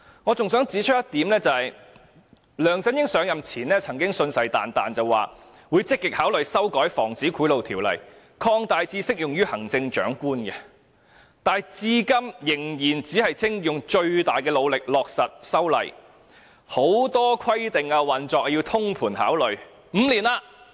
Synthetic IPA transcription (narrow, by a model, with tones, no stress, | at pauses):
ŋɔː˨˧t͡sʊ˨ŋsœː˨˥ŋt͡siː˨˥t͡ʃʰɵ˥jɐ˥t̪iː˨˥mnlɛː˥t͡sɐ˨hɐ˨j | lœː˨ŋt͡sɐ˥njɪ˥ŋsœː˨˥ŋjɐ˨mt͡sʰiː˨˩nɛː˥t͡sʰɐ˨˩ŋkɪ˥ŋsɵ˧nsɐ˨jt̪a̰ː˨nt̪aː˨nt͡sɐ˨wwa̰ː˨ | wuː˨˧˥jt͡sɪ˥kːɪ˨k̚haː˨˥wlɵ˨ɥsɐ˥wkɔː˨˥jfɔ̰ː˨˩ŋt͡siː˨˥kʰuː˨˥lo˨wt̪ʰiː˨˩wlɐ̰˨˩j | kʰɔː˧ŋt̪aː˨jt͡siː˧˥sɪ˥k̚jʊ˨ŋjyː˥hɐ˨˩ŋt͡sɪ˧ŋt͡ʃœ̰ː˨˥ŋkuː˥nɡɛ˧ | t̪aː˨jt͡siː˧kɐ˥mjɪ˨˩ŋjiː˨˩nt͡siː˨˥hɐ˨jt͡sʰɪ˥ŋjʊ˨ŋt͡ʃɵ˧ɥt̪aː˨jkɛː˧lo˨˧wlɪ˨k̚lɔː˨k̚sɐ˨t̚sɐ˥wlɐ̰˨˩j | ho˨˥wt̪ɔː˥kʰɐ˥jt̪ɪ˨ŋaː˧wɐ˨nt͡ʃɔː˨k̚jiː˧wt̪ʰʊ˥ŋpʰuː˨˩nha̰ː˨˥wlɵ˨ɥ | m̩ː˨˧liː˨˩naː˧